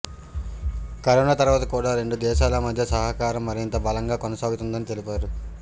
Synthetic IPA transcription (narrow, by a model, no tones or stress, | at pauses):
kɐɾoːnaːt̪ɐɾuʋaːt̪ɐkuːɽaːɾe̞ɳɖud̪ɛːʃaːlɐmɐd̪ʱjɐsɐɦɐkaːɾɐmːɐɾint̪ɐbɐlɐŋɡaːkonɐsaːɡut̪und̪ɐnit̪e̞lipaːɾu